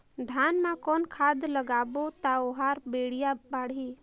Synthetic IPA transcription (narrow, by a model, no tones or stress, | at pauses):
d̪ʱaːnmãkɔːnkʰad̪ləɡaːbot̪aoɦaɾbeːɽ̤ijabaːɽ̤i